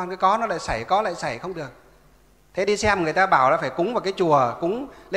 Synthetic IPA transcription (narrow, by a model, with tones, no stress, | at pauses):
nkaː˨˦jkɔ˨˦nɔ˨˦la̰ː˧˨jsa˧˩jkɔ˨˦la̰ː˧˨jsa˧˩jxə˧wŋ͡mɗɨ˨˩ək̚ | t̪ʰe˨˦ɗi˧sɛ˧m˨˩ŋɨ˨˩əjt̪aː˧ɓaː˧˩wlaː˨˩faː˧˩jkʊ̰˨˦˥ŋ͡mva˨˩wkaː˨˦jt͡ɕu˨˩əkʊ̰˧˥ŋ͡mle˧